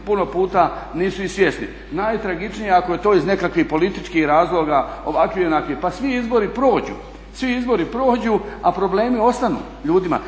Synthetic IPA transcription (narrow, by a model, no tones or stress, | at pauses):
puno̞puːt̪a | niːsuisʋje̞snḭ | najt̪ɾaɡit͡ʃnijeakoje̞t̪oːizne̞kakʋihpo̞lit̪it͡ʃkihɾaːzlˠo̞ɡao̞̰ʋakʋionakʋipasʋiizbo̞ɾipɾo̞ːd͡ʑṵ | sʋiizbo̞ɾipɾo̞ːd͡ʑuapɾo̞ble̞ːmio̞st̪anṵː | ʎuːd̪ima̰